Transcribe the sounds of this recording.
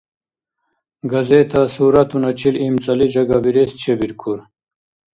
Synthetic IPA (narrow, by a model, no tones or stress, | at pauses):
ɡɐzet̪ʰasuːɾat̪unɐt͡ɕʰilimt͡sɐlid͡ʑɐɡabiɾest͡ɕʰebiɾkʰuɾ